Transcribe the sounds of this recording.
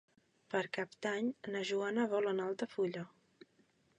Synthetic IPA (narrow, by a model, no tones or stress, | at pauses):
pəɾkap̚d̪aɲnəʒuanəβɔlənalˠt̪əfuʎə